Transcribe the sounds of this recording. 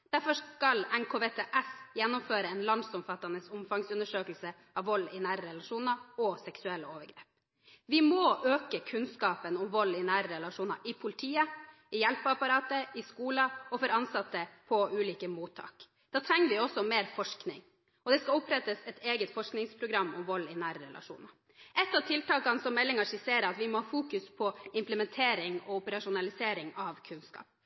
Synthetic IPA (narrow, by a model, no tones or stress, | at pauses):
d̪̥æɾfɔʂkɑlɛnkʰoːʋeːt̪ʰeːʔɛsjɛnːʊmføːɾəɛnlɑnd̪sɔmfɑt̪ːɑnəsʊmfɑŋsʉnd̪əʂøːkəlsə | ʔɑʋʋɔlːɪnæːɾəɾɛlɑʂuːnɑɔsɛksʉɛlːəoːʋəɾɡɾḛːp | ʋɪmoːʔøːkəkʰʉnskɑːpənʊmʋɔlːɪnæːɾəɾɛlɑʂuːnɑʔɪpʰʊlɪt̪ʰiːə | ɪjɛlpəɑpɑɾɑːt̪əɪskuːlɑɔfɔɾɑnsɑt̪ːəpʰɔʉːliːkəmuːt̪ʰːɑ̰ːk | d̪̥ɑːt̪ʰɾɛŋːəɾʋɪɔsːɔmeːɾfɔʂknɪ̰ŋ | ɔd̪ɛskɑlʊpɾɛt̪ːəsɛt̪eːɡət̪fɔʂknɪŋspʰɾʊɡɾɑmːʊmʋɔlːɪnæːɾəɾɛ̰lʔɑ̰ʂṵːnɑ | ʔɛt̪ːɑʋt̪ʰɪlt̪ɑːkɑnsɔmɛlːɪŋɑʂɪseːɾəɑt̪ʋɪmɔhɑːfuːkʉspʰɔɪmpləmɛnt̪ʰeːɾɪŋɔʊpəɾɑʂʊnɑlɪseːɾɪŋɑʋkʰʉnskɑ̰ːp̚